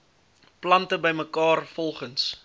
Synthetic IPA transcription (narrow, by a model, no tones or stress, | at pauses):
plɐntəbəjməkɑːrfɔlˠχəns